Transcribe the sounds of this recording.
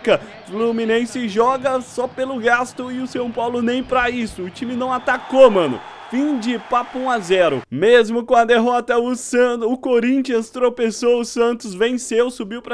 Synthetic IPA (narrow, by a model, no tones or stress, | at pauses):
kɐ | fluminẽsɪʒɔɡɐsɔpelʊɡast̪ʊ̃ɪʊsɐ̃w̃pawlʊnẽj̃pɾɐisʊʊt͡ʃimɪnɐ̃w̃at̪akomɐ̃nʊ̰ | fĩd͡ʒɪpapʊũazɛɾʊ̰mezmʊkõɐd̪eɦɔt̪ɐʊsɐ̃ʊkoɾĩt͡ʃiɐ̃st̪ɾopesowʊsɐ̃nt̪ʊzvẽsewsubiwpɾɐ